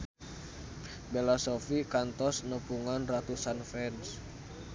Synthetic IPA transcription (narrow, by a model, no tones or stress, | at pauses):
belasɔfikant̪ɔsnəpuŋanrat̪usanfɛns